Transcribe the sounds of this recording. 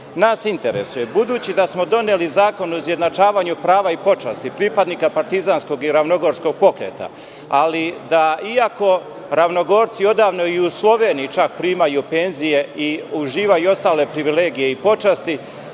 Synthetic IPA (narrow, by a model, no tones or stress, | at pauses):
naːsint̪e̞ɾe̞̰suje̞bud̪uːt͡ɕid̪asmo̞d̪o̞nelizaːko̞nouzjed̪nat͡ʃaːʋaːɲupɾaːʋaipo̞t͡ʃast̪ipɾipad̪nikapaɾt̪izansko̞ɡiɾaʋno̞ɡo̞ɾsko̞ɡ̥̚po̞kɾḛːt̪ʰa̰ | alid̪aiako̞ | ɾaʋno̞ɡo̞ːɾt̪sio̞d̪aːʋno̞iuslˠo̞ʋe̞ːnit͡ʃak̚pɾiːmajupe̞nzije̞iuʒiːʋajuo̞st̪aːle̞pɾiʋile̞ːɡije̞ipo̞t͡ʃast̪i